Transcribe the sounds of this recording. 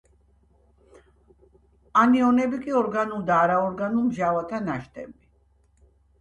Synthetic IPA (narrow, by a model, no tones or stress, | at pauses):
aniɔnɛbikʼiɔɾɡanulˠd̪aːɾaɔɾɡanulmʒavat̪ʰanaʃt̪ʼɛ̰bi